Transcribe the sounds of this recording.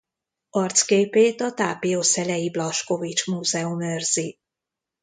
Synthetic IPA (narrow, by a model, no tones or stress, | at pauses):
ɒrt̪skeːpeːt̪ɒt̪aːpijosɛlɛjiblɒʃko̞vit͡ʃmuːzɛumørz̥i